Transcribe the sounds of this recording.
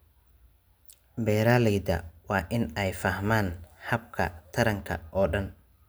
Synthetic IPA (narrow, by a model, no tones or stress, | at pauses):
bɛːɾaːlɪd̪ɐ̰wɑːʔɪnɛjfɐhmaːnhɐb̚kʰɐ̰t̪ʰɐɾɐŋkʰɐ̰ʔɔːɗɐn